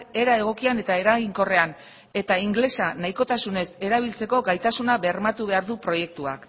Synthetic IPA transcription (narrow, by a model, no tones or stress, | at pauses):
ke̞ɾae̞ɣ̞o̞kiane̞t̪ae̞ɾaɣiŋko̞re̞an | e̞t̪aiŋɡle̞sanajko̞t̪asune̞se̞ɾaβ̞ilt͡se̞ko̞ɡajt̪asunaβeɾmat̪uβ̞e̞aɾðupɾo̞je̞k̚t̪ua̰k